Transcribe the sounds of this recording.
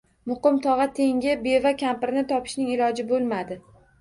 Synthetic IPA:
mʊqɨmt̪ʰɒʁɑt̪ʰe̞ŋɡʲɪbe̞vakʲʰampɪɾnɪt̪ʰɒpʰɪ̥ʃnɪŋɪlɒd͡ʒɪbolˠmad̪ɪ

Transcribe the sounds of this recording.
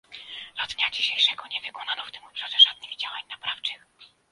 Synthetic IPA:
zad̪ɲad͡ʑiɕejʂɛɡɔɲɛvɘkɔnanɔft̪ɘmɔpʂaʐɛʐad̪̚nɘɣd͡ʑawaɲnapɾaft͡ʂɘx

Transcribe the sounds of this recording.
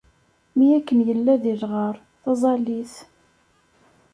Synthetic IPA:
mijækːənjəlːæðilʁəɾˤ | θɑzˤɑliθ

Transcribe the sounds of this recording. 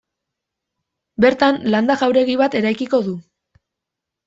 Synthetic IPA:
be̞ɾt̪anland̪aɣawɾe̞ɣiβat̪e̞ɾajkiko̞ðu

